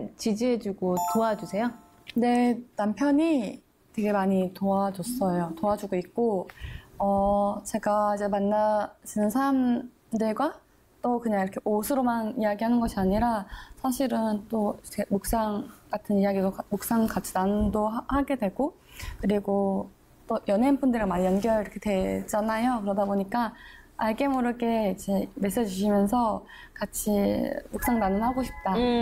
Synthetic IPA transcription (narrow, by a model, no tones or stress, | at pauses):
t͡ɕid͡ʑiɦed͡ʑuɡotoad͡ʑusʰe̞jo | ne̞nampʰjʌɲi | twe̞ɡe̞maɲitoad͡ʑos͈ʌjotoad͡ʑuɡoik̚k͈o | ʌt͡ɕe̞ɡaid͡ʑe̞manːat͡ɕinɯnsʰaɾam | dɯɭɡwa | t͈okɯɲaŋiɾʌkʰeʔosʰɯɾomanijaɡiɦanɯnɡʌɕʰiaɲiɾasʰaɕʰiɾɯnt͈ot͡ɕʰeemok̚s͈aŋkatʰɯnijaɡidokamok̚s͈aŋkat͡ɕʰi̥nanndoɦahaɡe̞dwe̞ɭɡo | kɯɾiɡo | t͈ojʌnɦenpʰundɯɭɾɯmanjʌnɡjʌɭiɾʌkʰe̞twe̞d͡ʑanajokɯɾʌdaboɲik͈aaɭɡe̞moɾɯɭɡ͈e̞id͡ʑe̞me̞s͈ed͡ʑiuɕʰimjʌnsʰʌ | kat͡ɕʰimok̚s͈aŋdanɯnɦaɡoɕʰi̥p̚t͈a